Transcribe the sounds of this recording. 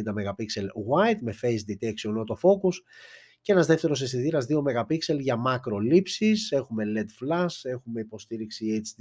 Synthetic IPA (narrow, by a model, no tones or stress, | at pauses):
nd̪ɐme̞ɣɐpikse̞lɣwɐjt̪me̞fe̞jsd̪it̪eksio̞no̞t̪o̞fo̞kus | cee̞nɐzðeft̪e̞ɾo̞sesiðiɾɐzðio̞me̞ɣɐpikse̞lʝɐmɐkɾo̞lipsise̞xume̞le̞d̪flɐse̞xume̞ipo̞st̪iɾiksiet͡ʃ̪